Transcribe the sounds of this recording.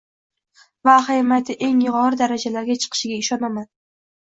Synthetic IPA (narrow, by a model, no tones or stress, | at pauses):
vaχajmat̪ʰɪʔe̞ŋjɪʁɒɾɪd̪aɾad͡ʒalaɾɡʲat͡ʃʰɨ̥qʰɨ̥ʃɪɡʲaɪʃɒnaman